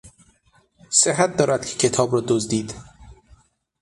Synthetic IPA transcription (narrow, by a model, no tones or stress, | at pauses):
seɦæt̪̚d̪ɒːɾæd̪̚cʰecʰe̞t̪ʰɒːbɾɒːd̪ozd̪iːd̪